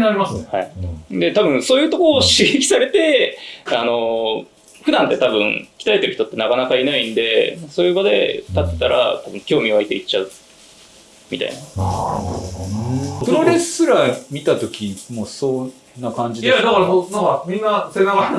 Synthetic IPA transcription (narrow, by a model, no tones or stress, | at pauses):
naɾʲimasɨnehaid̪e̞t̪abɯ̟̃ɰ̃soːjɯ̟ːt̪o̞ko̞ːɕiɡekʲi̥saɾe̞t̪e̞ano̞ | ɸɯ̟d̪ãnt̪ːe̞t̪abɯ̟̃ŋkʲi̥aet̪eɾ̟çit̪o̞t̪ːe̞nakanakainaĩnd̪e̞asoːjɯ̟ːbad̪e̞̰t̪at̪ːe̥t̪aɾa̰t̪abɯ̟̃ŋkʲo̞ːmʲioait̪e̞it͡ɕːaɯ̟ | mʲḭt̪a̰ḭna | pɯɾoɾessɨɾamʲit̪at̪o̞kʲimoːso | nːakãɲd͡ʑid̪ed̪akaɾasod̪akamʲĩnːasenaka